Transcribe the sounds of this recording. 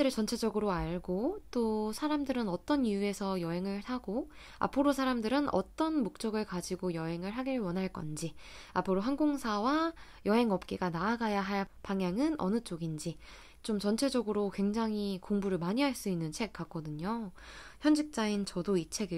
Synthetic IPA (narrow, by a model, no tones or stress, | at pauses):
eɾɯt͡ɕʌnt͡ɕʰe̞d͡ʑʌɡɯɾoaɭɡot͈osʰaɾamdɯɾɯnʌt͈ʌnijue̞sʰʌjʌɦe̞ŋɯɭhaɡo | a̰pʰɯɾosʰaɾamdɯɾɯnʌ̰t͈ʌnmok̚t͡ɕ͈ʌɡɯɭkad͡ʑiɡojʌɦe̞ŋɯɭɦaɡiɾwʌnɦaɭk͈ʌ̰nd͡ʑiapʰɯɾoɦanɡoŋsʰawa | jʌɦe̞ŋʌp̚k͈eɡanaːɡajaɦaɭpaŋjaŋɯnʔʌ̰nɯt͡ɕ͈oɡind͡ʑi | t͡ɕomt͡ɕʌnt͡ɕʰe̞d͡ʑʌɡɯɾokwe̞ŋd͡ʑaŋɦikoŋbuɾɯɭmaɲiɦaɭs͈uinːɯnt͡ɕʰek̚k͈ak͈ʌdɯɲoçjʌnd͡ʑik̚t͡ɕ͈aint͡ɕʌdoit͡ɕʰe̞ɡi